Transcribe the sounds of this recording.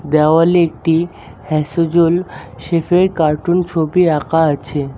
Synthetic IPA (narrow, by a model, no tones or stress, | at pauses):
d̪ɛʋalek̚ʈi | hɛsod͡ʑolʃefeɾkaɾʈunt͡ɕʰopiakaət͡ɕʰe